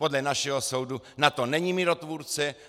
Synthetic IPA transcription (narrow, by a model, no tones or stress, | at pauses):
po̞dlɛnaʃɛɦoso̞wdunat̪o̞nɛɲimɪɾot̪vuːɾt͡sɛ